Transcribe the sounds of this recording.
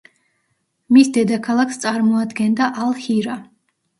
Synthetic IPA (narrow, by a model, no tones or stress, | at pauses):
misd̪ɛd̪akʰalˠakʰst̪sʼaɾmɔad̪ɡɛnd̪aʔalˠhiɾa